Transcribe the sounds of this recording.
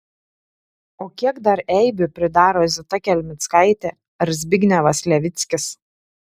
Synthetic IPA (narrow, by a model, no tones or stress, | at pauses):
oːkʲiɛɡd̪ɐɾɛɪbʲʊpʲɾʲɪd̪ɑːɾoːzʲɪt̪ɐkʲɛlʲmʲɪt̪skɐɪt̪ʲɛ | ɾzʲbʲɪɡʲnʲɛʋɐslʲɛʋʲɪt̪sʲkʲɪs